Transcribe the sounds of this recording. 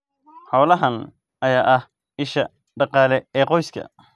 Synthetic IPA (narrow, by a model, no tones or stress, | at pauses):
ħɔwlɐɦɐn | ɐjaːʔɐh | ɪʃɐ | ɖɑqɑːlɛɛːqɔjskʰɐ̰